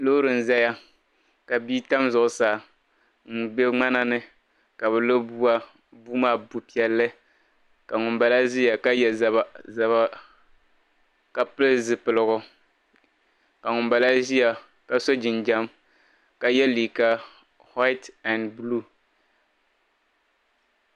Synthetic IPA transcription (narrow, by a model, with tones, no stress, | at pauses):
lo˦ɾɨ˨n̩˨za˦ja˦ | ka˨biː˦ta˦mzʊ˨ʔʊ˨saː˨ | ŋ̩˨be˦ŋ͡ma˦na˦nɨ˦ | ka˨bɛ˨lo˦bu˦a˦ | bu˦maː˦˨bu˨pi˦˨ɛ˦lːɨ˦ | ka˨ŋʊ˨mba˨la˦ʒi˦ja˨ka˦jɛ˨za˨βa˨za˨βa˦ | ka˦pɨ˦lɨ˦zɨ˨pɨ˨lɨ˨ɣʊ˨ | ka˨ŋʊ˨mba˨la˦ʒi˦ja˨ | ka˦so˦d͡ʒɪ˨nd͡ʒa˦m | ka˨jɛ˦liː˨ka˦ | ha˦ɪ˦ta˨ndblu˦